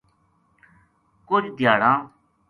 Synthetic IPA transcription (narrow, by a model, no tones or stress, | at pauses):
kʊd͡ʒd̪jaːɽãː